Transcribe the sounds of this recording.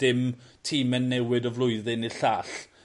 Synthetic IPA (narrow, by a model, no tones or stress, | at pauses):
d̥ɪmtʰiːmɛnːɛwɪdɔvlʊɨðɪniɬaːɬ